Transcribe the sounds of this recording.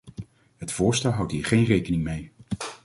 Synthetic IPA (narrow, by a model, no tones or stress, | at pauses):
ɦətfʊːɹstɛlˠɦɑwtɦiːɹχejnrejkənɪŋmej